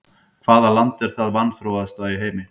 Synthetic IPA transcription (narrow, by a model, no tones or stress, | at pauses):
kʰv̥aːðalant̪ɛɾ̥θaðvanθɾowvaðst̪vaːiɦeːjmɪ